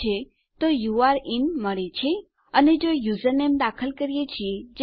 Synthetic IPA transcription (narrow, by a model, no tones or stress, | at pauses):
e | t̪ojuaɾinməɭet͡ʃʰe | əned͡ʒojuzənemd̪akʰəlkəɾijet͡ʃʰied͡ʒ